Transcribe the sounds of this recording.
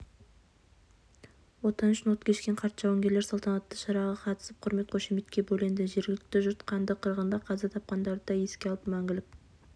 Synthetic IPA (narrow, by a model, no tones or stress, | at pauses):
wot̪ɑnʏʃɪnwot̪kʲʰe̞ʃkʲeɴqʰɑɾt̪ʒɑwaŋɡʲeɾle̞ɾsɑlˠt̪ʰɑnɑt̪ːəʃɑɾɑʁɑqʰɑt̪ə̥səp̚qʰʊɾme̞t̪̚qʰoʃemet̪kʲe̞bolend̪ɪʒe̞ɾɡɪlɪk̚t̪ɪʒʊɾt̪qʰɑnd̪əqʰəɾʁənd̪ɑqʰɑzɑt̪ʰɑp̚qɑnd̪ɑɾd̪əd̪ɑe̞skʲeɑlˠəpmæŋɡʲɪlɪk